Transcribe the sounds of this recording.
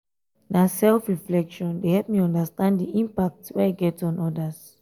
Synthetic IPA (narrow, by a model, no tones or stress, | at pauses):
nasɛlfɹiflɛkʃɔ̃ndehɛlp̚miɔ̃ndastãnddiʔĩmpak̚twɛaɡɛtɔ̃nɔdas